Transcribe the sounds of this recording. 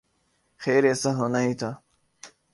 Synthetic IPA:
xeːɾeːsɐɦonait̪ʰa

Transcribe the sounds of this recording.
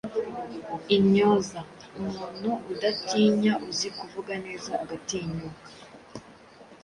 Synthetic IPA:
iɲoːzaumuːnhuːdatiːɲaʔuzikuvuɡane̞ːzaːɡatiɲoka

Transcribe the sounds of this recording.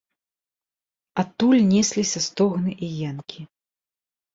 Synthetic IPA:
at̪ulʲnʲɛsʲlʲisʲɐst̪ɔɣnɨʔijɛnkʲʰi

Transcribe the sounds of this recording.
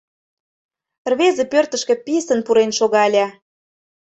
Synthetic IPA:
rβezĕpørt̪ə̆ʃkĕpisə̆npuɾenʃoɣɑəlʲɑ

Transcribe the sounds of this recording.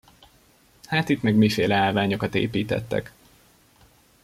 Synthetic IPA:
haːt̪it̪mɛɡmiːfeːlɛaːlvaːɲo̞kɒt̪ḛːpiːt̪ɛ̰t̪ːɛ̰k

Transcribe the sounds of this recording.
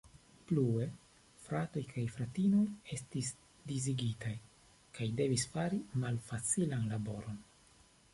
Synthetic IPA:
plue̞ | fɾato̞jkʰajfɾatino̞je̞stis | diziɡitaj | kajde̞visfaɾimalfat͡silanlabo̞ɾo̞n

